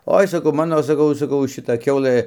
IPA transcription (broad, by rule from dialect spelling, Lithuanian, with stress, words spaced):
ˈoːɪ sɐˈkɐʊ ˈmɑːnoː sɐˈkɐʊ sɐˈkɐʊ ʃʲɪˈtɐ ˈkʲɛʊlˠɘ